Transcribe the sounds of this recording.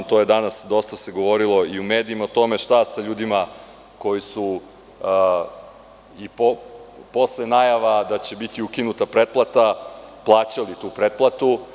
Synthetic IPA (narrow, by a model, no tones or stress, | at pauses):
t̪oje̞d̪anasd̪o̞st̪ase̞ɡo̞ʋo̞ɾilˠo̞iumeːd̪iimaot̪o̞me̞ʃt̪asaʎuːd̪ima | ko̞jisu | ipopo̞slenajaʋad̪at͡ɕe̞bit̪iukinut̪apɾet̪̚plˠat̪aplˠaːt͡ɕalit̪uːpɾet̪̚plˠat̪u